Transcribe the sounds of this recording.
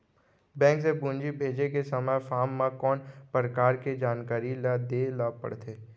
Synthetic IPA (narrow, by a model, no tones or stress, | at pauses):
bɛ̃ːŋksebũːnd͡ʒibʱeːd͡ʒekesɐməjfaːmːãkɔːnpəɾəkaːɾked͡ʒaːnkaːɾilad̪eːlapə̰ɽt̪ʰeː